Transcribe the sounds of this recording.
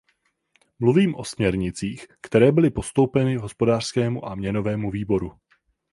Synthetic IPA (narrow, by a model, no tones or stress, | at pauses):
mluviːmʔo̞smɲɛɾɲɪt͡siːxkt̪ɛɾɛːbɪlɪpo̞st̪o̞wpɛnɪɦo̞spo̞daːr̥skɛːmuʔamɲɛno̞vɛːmuviːbo̞ɾu